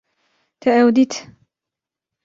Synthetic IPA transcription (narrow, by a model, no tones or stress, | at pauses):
t̪aʔawd̪it̪